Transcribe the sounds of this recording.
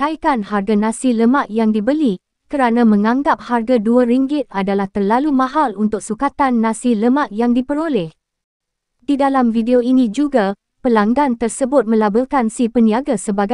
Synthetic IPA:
kaikanharɡanãsiləmãʔjaŋdibəli | kəɾanãmə̃ŋãŋɡap̚harɡaduaɾiŋɡɪt̪̚adalaht̪ərlalumãɦalunt̪ʊk̚sukat̪anːãsiləmaʔjaŋdipəɾolɛh | didalamfideoinĩd͡ʒuɡa | pəlaŋɡant̪ərsəbʊt̪̚mə̃labəlkansipəniaɡasəbaɡa

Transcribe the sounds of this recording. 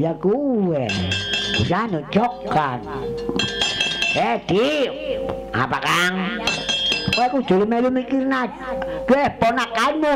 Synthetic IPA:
jakuwɛbisanut͡ʃɔkːan | ɛt̪i | a̰pakaŋ | oɛku̥d͡ʒ̥ulimelumikirna | kuɛhpɔnakaimu

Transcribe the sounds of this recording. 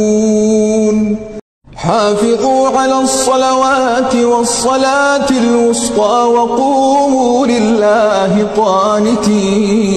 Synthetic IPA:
n | ħaːfɪðˤuːʕalaːsˤːɑlawaːt̪ɪwɑsˤːɑlaːt̪ɪlwʊsqɑːwɑquːmuːlɪlːaː | ɦɪt̪ˤɑːnɪt̪iː

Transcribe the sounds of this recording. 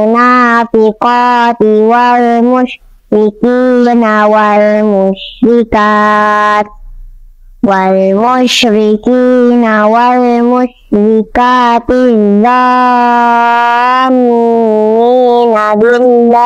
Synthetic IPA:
napikɔpiwaɾemoʃ | ɾikinawaɾemoʃɾika | waɾemoʃɾikinawaɾemoʃɾikatizɔ | mininademiza

